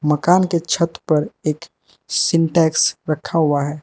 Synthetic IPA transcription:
mɐkaːnket͡ʃʰɐt̪pɐɾeːk | sɪ̃ɳʈɛːksɾɐkʰaɦʊaɦɛː

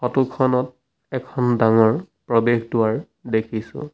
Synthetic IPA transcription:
xɔtukʰɔnɔt̚ | ɛkʰɔndaŋɔɹ | pɹɔbexdʊaɹ | dekʰisʊ̰̃

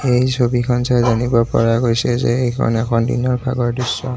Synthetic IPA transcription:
ejsobikʰɔnsajzanibɔpɔ̰ɹaɡojsɛzɛ̰ejkʰɔ̰nɛkʰɔndḭnɔɹbʱa̰ɡɔɹdisːɔ̰

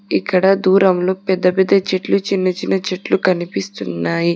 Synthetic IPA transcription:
ikːɐɽɐd̪uːɾɐmloːpɛd̪ːɐpɛd̪ːɐt͡ʃeʈlut͡ʃinːɐt͡ʃinɐt͡ʃeʈlukɐnipist̪unːaːji

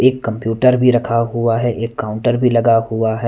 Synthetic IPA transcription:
eːkːɐ̃mpjuːʈəɾbʱiɾɐkʰaɦuaɦɛʔeːkːãːʊ̃ɳʈəɾbʱilɐɡahuaɦɛ

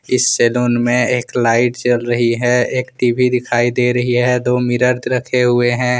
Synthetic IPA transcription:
ɪsːeːloːnmẽeːklaːɪʈt͡ʃɐlɾɐɦiɦɛeːkʈiːbʱid̪ɪkʰaːid̪eːɾɐɦiɦɛd̪oːmɪɾəɾd̪ɾɐkʰeɦʊeɦɛ̃ː

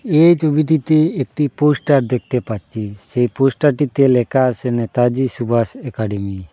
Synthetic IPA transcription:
ejt͡ʃobiʈ̬it̪eːk̚ʈiposʈaɾd̪ɛk̚t̪ɛpat͡ʃisejpɔsʈaɾʈit̪ɛlɛkasɛnɛt̪ad͡ʒisubʱasɛkaɖɛmi

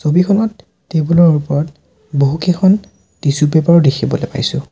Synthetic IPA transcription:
sobikʰɔnɔtː | ebulɔɹupɔɹɔt̚ | boɦukekʰɔn | tisupɛpaɹɔdekʰibɔlepa̰jsʊ̃

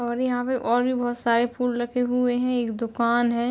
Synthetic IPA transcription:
ɔːɾjɐɦãpeʔɔːɾbʱibɐɦt̪saːɾepʰuːlɾɐkʰeɦʊeɦɛ̃eːkd̪ʊkaːnɦɛ̃

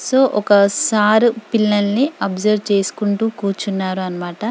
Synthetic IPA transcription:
soːʔɔkɐsaːɾupilːɐnːiɐbd͡ʒɐɾt͡ʃe̞ːsu̥kuɳʈuːkuːɾt͡ʃunːaːɾuɐnɐmaːʈɐ

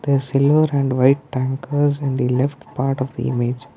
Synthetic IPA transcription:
d̪̥əsɪlʋəɾæ̃ɳɖʋaɪʈ̚ːæ̃ŋkəɾzɪ̃ɳd̪ilɛfʈpaːɾʈɔʋd̪ḭʔɪ̰med͡ʒ

